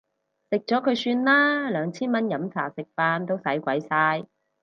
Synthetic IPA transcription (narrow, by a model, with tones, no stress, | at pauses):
sɪ˨k̚t͡ʃɔː˨˥kʰɵ˨˧ɥsyː˧nlaː˥lœː˨˧ŋt͡sʰiː˥nmɐ˥njɐ˨˥mt͡sʰa̰ː˨˩sɪ˨k̚faː˧nt̪o˥wsɐ˨˥jkʷɐ˨˥jsaː˧j